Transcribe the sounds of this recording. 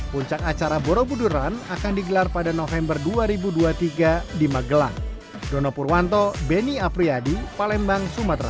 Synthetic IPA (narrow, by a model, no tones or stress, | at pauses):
puɲt͡ʃakat͡ʃaɾabɔɾɔbuduɾanakandiɡəlarpadanɔfɛmbərduaɾibuduat̪iɡadimaɡəlaŋ | dɔnɔpurwant̪ɔbeniapɾiadipalɛmbaŋsumat̪ra